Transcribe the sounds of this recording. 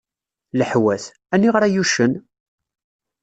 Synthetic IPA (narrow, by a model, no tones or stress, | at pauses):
ləħwæθ | ænːiʁɾæjuʃən